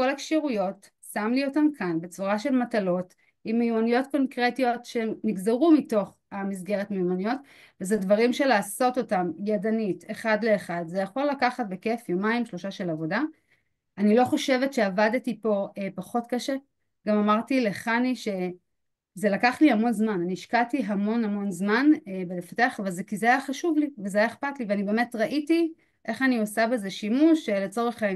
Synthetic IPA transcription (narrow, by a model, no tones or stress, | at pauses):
ko̞lekʃiʁujo̞t | samlio̞tamkʰanbe̞t͡suʁaʃe̞lmatalo̞t | imːejumanijo̞tko̞nkʁetio̞tʃeniɡzeʁumito̞χ | amis̬ɡe̞ʁetmejumanijo̞t | vezedvaʁimʃe̞laːso̞to̞tamjadaniteχadle̞ːχadzejaχolakaχatbe̞ke̞fjomaimʃlo̞ʃaʃelavo̞da | anilo̞χo̞ʃe̞ve̞tʃe̞avadetipo̞epaχo̞tkaʃe̞ | ɡamamaʁtile̞χaniʃe̞ | ze̞lakaχlihamo̞nzmananiːʃkatiɦamo̞nhamo̞nzmanebelefḁte̞aχavalzekizeajaχaʃuvlivezeajaeχpatliveanibe̞ːme̞tʁaʔiti | ʔe̞χaniosabezeʃimuʃele̞t͡so̞ʁeχ